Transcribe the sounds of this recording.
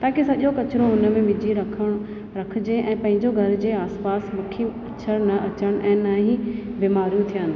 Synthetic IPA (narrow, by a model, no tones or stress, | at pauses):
t̪aːkesɐʄokɐt͡ɕɪɾoɦʊnə̆mẽmɪd͡ʑʱiɾɐkʰəɽ̃ | ɾɐkʰɪ̆d͡ʑeʔɛ̃ːpɐ̃ɦɪ̃ɲd͡ʑoɡʱɐɾd͡ʑeːaːspaːsmɐkʰiɐt͡ɕʰəɾnɐʔɐt͡ɕəɽ̃ʔɛ̃ːnaːɦĩbiːmaːɾijũt̪ʰijə̃ːn